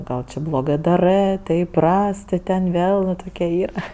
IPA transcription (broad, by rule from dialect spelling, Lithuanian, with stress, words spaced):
ˈɡɐlˠ t͡ʃʲɪ blˠoːˈɡɜ dɐˈrɜ tɐɪ ɪˈprɐs tʲɪ tʲɛn ˈʋʲeːlˠ ʋɐ ˈtoːkʲɛ ˈiːrɐ